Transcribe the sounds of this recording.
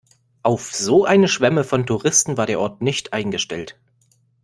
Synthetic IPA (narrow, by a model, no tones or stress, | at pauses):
ʔaʊfz̥oːʔaɪnəʃv̥ɛməfɔntʰuʁɪstn̩vaːɐdeːɐʔɔɐtnɪçtʔaɪnɡəʃtɛ̰lt